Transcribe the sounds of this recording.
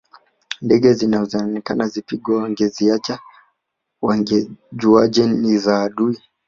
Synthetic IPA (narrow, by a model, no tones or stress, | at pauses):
ndɛɡɛzinazɔnikanazipiɡwawaŋɡɛziat͡ʃa | waŋɡɛd͡ʒuad͡ʒɛnizaːɗui